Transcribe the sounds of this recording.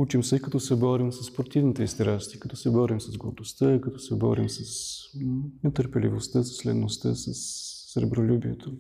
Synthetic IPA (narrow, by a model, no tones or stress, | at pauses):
ut͡ʃimsɛikɐt̪ɔsɛbɔɾimsɐspɾot̪ivnit̪ɛist̪ɾast̪i̥kɐt̪ɔsɛbɔɾimsɐzɡo̰ɾd̪ost̪əikɐt̪ɔsɛbɔ̰ɾḭmsɐs | nɛt̪əɾpɛlḭvost̪əsɐ̥slɛ̰nːost̪ə̰sɐsː | ɾɛ̰bɾolʲubiɛt̪ʰo